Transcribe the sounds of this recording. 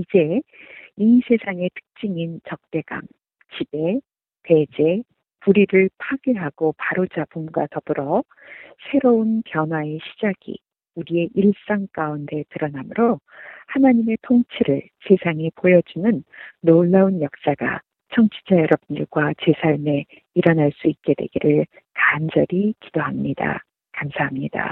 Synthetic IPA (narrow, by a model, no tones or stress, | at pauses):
id͡ʑe̞ | isʰe̞sʰaŋe̞tʰɯ̥k̚t͡ɕ͈iŋint͡ɕʌk̚t͈e̞ɡa̰ŋ | t͡ɕib̥e̞ | te̞d͡ʑe̞ | puɾiɾɯɭpʰaɡeɦaɡ̥opaɾod͡ʑabumɡwatʌb̥ɯɾʌ | sʰe̞ɾoɯnpjʌnwae̞ɕʰid͡ʑaɡ̥ḭ | uɾie̞ʔiɭs͈aŋk͈aunde̞tɯɾʌnamɯɾohanaɲime̞tʰoŋt͡ɕʰiɾɯɭ | t͡ɕe̞sʰaŋipojʌd͡ʑunɯnːoɭːaunjʌk̚s͈aɡ̥a̰ | t͡ɕʰʌŋt͡ɕʰi̥d͡ʑajʌɾʌb̚ɲiɭɡwat͡ɕe̞sʰaɭme̞ | iɾʌnaɭs͈uit̚k͈e̞dwe̞̰ɡiɾɯɭ | kand͡ʑʌɾikid̥oɦamɲida̰ | kamsʰaɦamɲida̰